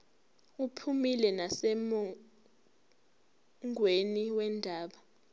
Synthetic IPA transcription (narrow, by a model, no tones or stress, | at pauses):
upʰumilɛnasɛmɔ | ŋʱweniwɛndʱaːɓa